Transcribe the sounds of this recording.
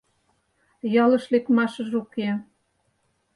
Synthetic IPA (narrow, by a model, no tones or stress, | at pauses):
jɑlɤ̆ʃlekmɑʃɤ̆ʒuke